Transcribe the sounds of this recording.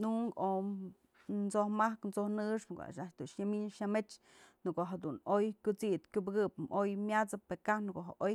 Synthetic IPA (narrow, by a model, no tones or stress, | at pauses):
nuŋko | nt͡sohmahknt͡sohnɨʂɨko̰a̰ʃaʔt͡ʃd̪uʂɲamiɲʃamet͡ʃ | nɨkoɦad̪unojkʲut͡sit̪kʲubɨɡɨpmʔojmʲat͡sɨpekahnɨkoʔɦaʔoj